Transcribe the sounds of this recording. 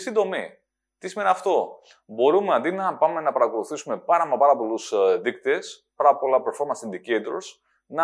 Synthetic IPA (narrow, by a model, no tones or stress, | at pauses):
sind̪o̞mḭ | t̪isime̞niɐft̪o̞ | bo̞ɾumeɐnd̪inɐpɐme̞nɐpɐɾɐko̞luθisume̞pɐɾɐmepɐɾɐpo̞lusðikt̪e̞s | pɐɾɐpo̞lɐplɐfo̞ɾmɐ̃nsind̪ikejt̪oɾs | nɐ